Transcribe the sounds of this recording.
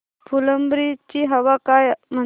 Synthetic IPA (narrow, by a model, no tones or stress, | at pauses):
pʰuləmbɾit͡ʃiɦɐʋakajmɐ